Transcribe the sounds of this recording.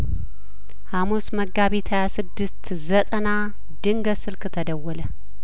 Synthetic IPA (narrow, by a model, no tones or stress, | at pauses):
hamusməɡaβit̪ʰajasɨd̪ːɨst̪ | zət̪ʼəna | d̪ɨŋɡəsɨlkʰɨt̪ʰəd̪əwːələ